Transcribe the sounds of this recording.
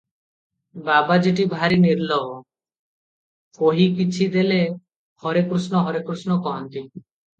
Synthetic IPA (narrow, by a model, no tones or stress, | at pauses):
babad͡ʒeʈ̬ibʱaɾiniɾlɔbɔ | koɦikit͡ʃʰid̪ele | hɔɾekɾusnɔɦɔɾekɾusnɔkɔɦɔnt̪i